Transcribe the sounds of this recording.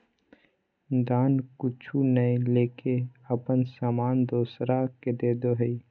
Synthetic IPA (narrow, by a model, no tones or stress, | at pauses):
d̪aːnkʊt͡ʃʰunəĩleːkeəpənsaːmaːnd̪oːsɾaked̪eːd̪oɦəi